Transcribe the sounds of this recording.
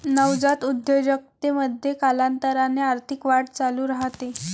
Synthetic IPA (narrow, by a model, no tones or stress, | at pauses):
nəwd͡zat̪ud̪jəʋjək̚t̪eməd̪ʱjekalant̪əɾaneaɾt̪ʰikʋaʈ̚t͡saluːɾaɦt̪e